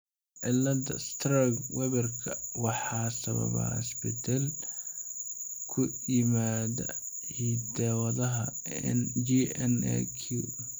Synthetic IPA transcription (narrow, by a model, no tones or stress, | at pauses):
ʕɪlːɐd̪ɐ̰st̪ʰraɡwɛβɐrkʰɐwɑħɑːsɐβɐ̰βɐ̰ɪ̰sbɛd̪ɛl | kʰʊjɪmaːðɐ̰ | hid̪ɛːwɐðɐɦɐ | nd͡ʒiɛnɛ̰kʰu